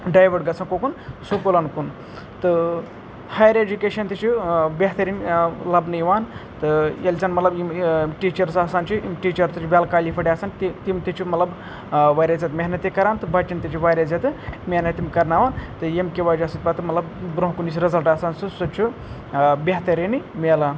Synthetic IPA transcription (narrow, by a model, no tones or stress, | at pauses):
ɖaːjʋɐɖɡɐsʰɐnkokunsukulɐnkun | t̪ɨ | hajɐɾed͡ʒukeːʃɐnt̪it͡ʃʰubʲɐɦt̪ɐɾimlɐbnɨjiʋaːnt̪ɨjelʲt͡ʃanmɐt̪lɐbjimʈiːt͡ʃɐɾsaːsaːnt͡ʃʰimʈiːt͡ʃɐɾt̪it͡ʃʰuʋʲjaːlkaːlifʰɐɽʲaːsant̪it̪imt̪it͡ʃʰumɐt̪lɐb | ʋaːɾʲazʲet̪mʲeɦnɐt̪ikɐɾaːnt̪ɨbʱɐʈːint̪it͡ʃʰiʋaːɾʲad͡zet̪ɨmʲeɦnɐt̪imkɐɾnaːʋaːnt̪ɨjemkʲiʋaːd͡ʒasit̪̚bat̪ɨmɐt̪lɐbbɾõɦkunis̬ɾezɐlʈaːsaːnsɨsut͡ʃʰu | bʲeɦt̪ɐɾinmelaːn